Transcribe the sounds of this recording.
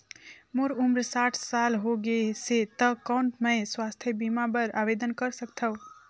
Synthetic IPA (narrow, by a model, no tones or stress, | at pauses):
moɾumɾsaːʈʰsalɦoɡeset̪əkaʊɳʈmə̃jswast̪ʰjəbimabəɾa̰ʋed̪ənkəɾsək̚t̪ʰə